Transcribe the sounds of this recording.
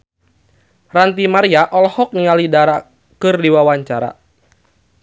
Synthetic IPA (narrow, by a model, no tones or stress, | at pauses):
rant̪imaɾiaʔɔlhɔk̚niŋalidaɾa | kɨrdiwawaɲt͡ʃaɾa̰